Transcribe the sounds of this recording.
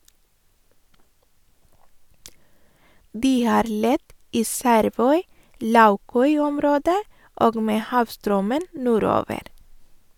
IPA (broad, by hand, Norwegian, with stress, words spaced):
ˈdiː ˈhɑːɾ ˈlɛt ˈiː ˈsæɾˌʋœʏˌlɑʉˌkœʏˌɔmˌɾoːdə ˈʔoːɡ ˈmeː ˈhɑːʋˌstɾœmən ˈnuːˌɾoːʋəɾ